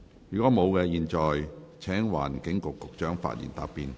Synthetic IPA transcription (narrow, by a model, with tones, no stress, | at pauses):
jy˨˩kɔː˨˥mo˨˧wkɛː˧jiː˨nt͡ʃɔː˨jt͡sʰɛː˨˥ŋwa̰ː˨˩nkɪ˨˥ŋkʊ˨kːʊ˨k̚t͡ʃœː˨˥ŋfa̰ː˧t̚jḭː˨˩nt̪a̰ː˧pːiː˨˧n